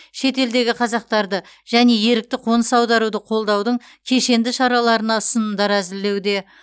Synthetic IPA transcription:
ʃe̞t̪e̞ld̪e̞ɡʲɪqʰɑzɑq̚t̪ɑɾd̪ə | ʒ̥æne̞je̞ɾɪk̚t̪ɪqʰo̞nəsɑwd̪ɑɾud̪əqʰo̞lˠd̪ɑwd̪əɴ | kʲʰe̞ʃe̞nd̪ɪʃɑɾɑlˠɑɾənɑsənənd̪ɑɾæzɪlːe̞wd̪e̞

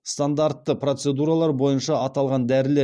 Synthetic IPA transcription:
st̪and̪aɾt̪ːəprot̪se̞d̪uɾalˠɑɾbo̞jənʃɑːt̪ɑlˠʁɑnd̪æɾɪle

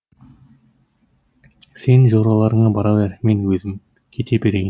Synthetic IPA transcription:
se̞nʒoɾɑlˠɑɾəɴɑbɑɾɑveɾme̞nwɵzɪm | kʲʰe̞t̪ʰe̞be̞ɾejɪ

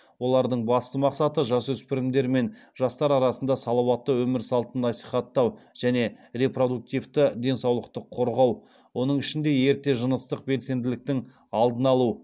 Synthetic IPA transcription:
wo̞lˠɑɾd̪əɴbɑst̪əmɑqsɑt̪əʒɑswɵspɪɾɪmd̪e̞ɾme̞nʒɑst̪ɑɾɑɾɑsənd̪ɑsɑlˠɑwɑt̪ːəwɵmɪɾsɑlˠt̪ənːɑsi̥χɑt̪ːɑwʒ̥æne̞re̞pro̞d̪uk̚t̪ivt̪ɪd̪e̞nsɑwlˠəqt̪əqʰo̞ɾʁɑw | wo̞nəɴɪʃɪnd̪e̞je̞ɾt̪e̞ʒənəst̪əq̚be̞lse̞nd̪ɪlɪk̚t̪ɪŋ | ɑlˠd̪ənɑlˠu

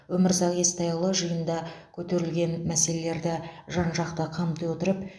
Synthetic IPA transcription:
wɵmɪɾsɑqe̞st̪ɑjlˠəʒəjənd̪ɑkʲʰɵt̪e̞ɾɪlɡʲe̞nmæse̞le̞le̞ɾd̪ɪʒɑnʒɑqt̪əqʰɑmt̪əjwot̪əɾəp

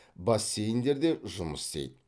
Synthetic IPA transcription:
bɑsːe̞jɪnd̪e̞ɾd̪e̞ʒʊməst̪ḛjd̪

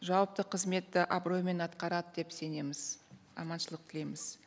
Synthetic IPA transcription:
ʒɑwəp̚t̪əqʰəzme̞t̪ːɪʔabro̞jme̞nɑt̪qɑɾɑd̪əd̪e̞pse̞ne̞mɪz̥ | ɑ̰mɑnʃəlˠəq̚t̪ʰɪle̞jmɪz̥

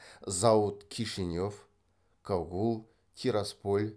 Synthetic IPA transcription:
zaut̪kʲʰiʂɨnʲof | kaɣulˠ | kʲʰiɾaspolʲ

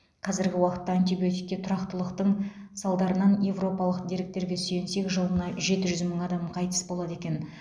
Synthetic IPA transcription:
qʰɑzɪɾɡʲɪwɑqət̪ːɑːnt̪ibiot̪ik̚ʲːe̞t̪ʰʊɾɑqt̪əlˠəqt̪əɴsɑlˠd̪ɑɾənɑnje̞vro̞pɑlˠəqd̪e̞ɾɪk̚t̪e̞ɾɡʲe̞syjense̞kʒəlˠənɑʒe̞t̪ɪʒʏzməɴɑd̪ɑmqʰɑjt̪ə̥sbo̞lˠɑd̪e̞kʲe̞n

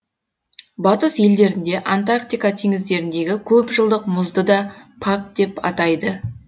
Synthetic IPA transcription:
bɑt̪əsje̞ld̪e̞ɾɪnd̪e̞ʔant̪arkt̪ijkat̪ʰeŋɪzd̪e̞ɾɪnd̪e̞ɡʲɪkʲʰɵpʒəlˠd̪əqmʊzd̪əd̪ɑpʰak̚d̪̥e̞pɑ̰t̪ɑjd̪ə

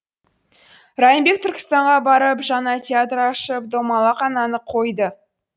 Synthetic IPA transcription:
ɾɑjəmbe̞k̚t̪ʰʏɾkʲɪ̥st̪ɑɴʁɑbɑɾəpʒɑnɑt̪ʲʰeat̪rɑʃəp̚d̪omɑlˠɑqɑnɑnəqʰo̞jd̪ə

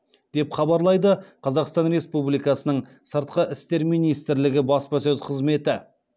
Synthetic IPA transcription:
d̪̥e̞pχɑbɑɾlˠɑjd̪əqʰɑzɑqst̪ɑnɾe̞spublijkɑsənəɴ | səɾt̪qəʔɪst̪e̞ɾmijnijst̪ɪɾlɪɡʲɪbɑspɑsɵzqʰəzme̞t̪ɪ

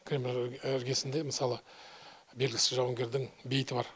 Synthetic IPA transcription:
kʲʰɾʲemlɪɾɡʲe̞sɪnd̪e̞mɪsɑlˠə | be̞lɡʲɪsɪʒɑwəŋɡʲe̞ɾd̪ɪŋbejɪt̪ɪbɑɾ

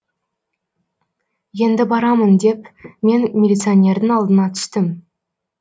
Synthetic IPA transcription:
je̞nd̪ɪbɑɾɑmənd̪e̞pme̞nmʲelʲit̪sɨonʲe̞ɾd̪ɪŋɑlˠd̪ənɑt̪ʰʏ̥st̪ɪm

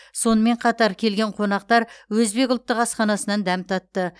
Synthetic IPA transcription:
so̞nəme̞ɴqʰɑt̪ɑɾkʲʰe̞lɡʲe̞ɴqʰo̞nɑq̚t̪ɑɾwɵzbe̞kʲʊlˠt̪ːəqɑsqɑnɑsənɑnd̪æmt̪ʰɑt̪ːə

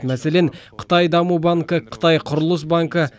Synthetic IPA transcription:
mæse̞leɴqʰə̥t̪ɑjd̪ɑmubɑŋkəqʰə̥t̪ɑjqʰʊɾʊlˠəs̬baŋkə

